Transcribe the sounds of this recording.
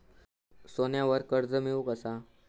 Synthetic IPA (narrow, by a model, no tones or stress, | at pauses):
sonjaʋəɾkəɾd͡zəmiʋukəsa